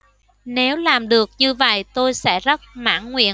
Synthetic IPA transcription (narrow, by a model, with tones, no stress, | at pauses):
ne˨˦wlaː˨˩mɗɨ˨˩ək̚ɲɨ˧və̰˧˨jt̪o˧jsɛ̰˧˥zə˦˥t̚ma̰ː˧˥˩nŋwḭ˧˨ə